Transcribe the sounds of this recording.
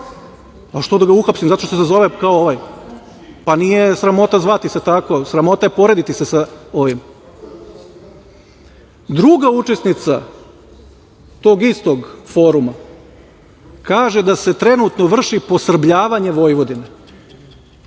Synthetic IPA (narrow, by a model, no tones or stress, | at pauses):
aʃt̪od̪aɡauxapsimzat̪o̞ʃt̪ossazo̞ʋekaooʋaj | panijesɾamo̞t̪azʋat̪iset̪ako̞sɾamo̞t̪aje̞po̞ɾe̞d̪it̪isesao̞ʋim | d̪ɾuɡaut͡ʃe̞snit̪sa̰ | t̪o̞ːɡist̪o̞ɡfo̞ɾuma | kaːʒe̞d̪ase̞t̪ɾe̞nut̪noʋr̩ʃipo̞sr̩bʎaːʋaɲeʋo̞jʋo̞d̪ine